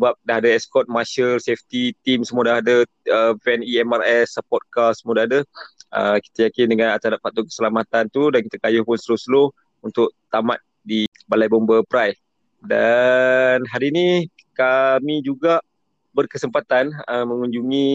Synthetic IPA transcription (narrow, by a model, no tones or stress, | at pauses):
əbap̚daɦadəɛskɔt̪̚maʃəlseft̪it̪imsəmuədaɦadə | əpɛniɛmarɛsəpɔt̪̚kasəmudahadəə̰ki̥t̪ajakɪndəŋanat̪adap̚fat̪ʊkə̥səlamat̪ant̪udankit̪akajʊhpʊnst̪əlʊsəloh | unt̪ʊʔ̚t̪ama̰t̪̚ | di | balajbɔnbəpɾajs | da | nɦaɾini | kamid͡ʒuɡaʔ | bərkəsəmpat̪anəmə̃ŋuɲd͡ʒuŋĩ